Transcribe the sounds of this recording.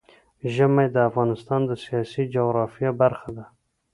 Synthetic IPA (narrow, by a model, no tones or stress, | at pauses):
ʒəmajd̪əafɣɑnɪst̪ɑnd̪əsijɑsid͡ʒoɣɾɑfjabaɾxad̪a